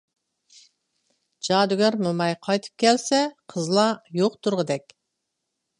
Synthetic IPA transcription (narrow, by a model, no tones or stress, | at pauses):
d͡ʒɑd̪yɡʲæɾmʊmɑjqʰɑjt̪ʰɨ̥p̚kʲʰɛlsɛqʰəzlˠɑjoqt̪ʰuɾʁəd̪ɛkʲ